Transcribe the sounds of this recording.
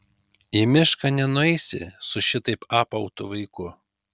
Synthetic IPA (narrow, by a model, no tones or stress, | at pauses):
ɪmʲɪʃkɐnʲɛnʊɛɪsʲɪ̰sʊʃʲɪt̪ɐɪpɑːpɐʊt̪ʊʋɐɪkʊ